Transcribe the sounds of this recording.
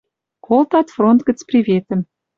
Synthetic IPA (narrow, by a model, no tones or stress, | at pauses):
kʰolˠt̪ɑt̪front̪ɡə̆t͡sprʲivʲet̪ə̆m